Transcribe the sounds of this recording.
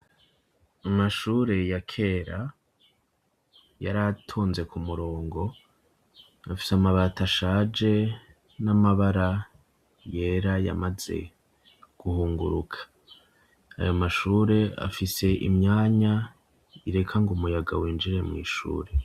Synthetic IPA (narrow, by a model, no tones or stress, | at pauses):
amaʃuːɾe̞jakʰe̞ːɾa | jaɾatʰuːnze̞kumuɾo̞ːŋɡo̞ | afisamaβataʃaːd͡ʒe̞ | namaβaɾa | je̞ɾaja̰maze̞̰ | ɡ̥uhuːŋɡṵɾukʰḁ | a̰jo̞maʃuːɾe̞a̰fise̞ʔḭmɲaːɲa | iɾe̞kʰaŋɡumujaɡawiːnd͡ʒiɾe̞mŋḭːʃṵːɾe̞